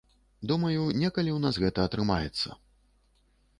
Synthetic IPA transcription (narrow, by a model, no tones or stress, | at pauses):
d̪umɐjunʲɛkɐlʲiwnasɣɛt̪ɐɐt̪ɾɨmajɛt̪sːɐ̰